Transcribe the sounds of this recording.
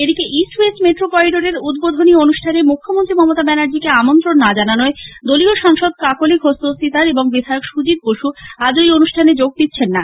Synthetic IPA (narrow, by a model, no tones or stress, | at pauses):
ed̪ikeʔisesʈmeʈɾopɔiɖoɾeɾud̪bod̪ʱonionuʃʈʰanemukʰːomont̪ɾimɔmot̪abɛnaɾd͡ʑikeamont̪ɾonːad͡ʑananoed̪olioʃaŋʃod̪̚kakolikɦost̪osit̪aɾeboŋbid̪ʱaeokʃud͡ʑit̪̚boʃuad͡ʑojonuʃʈʰaned͡ʑoɡ̚d̪it̪ːɕʰenːa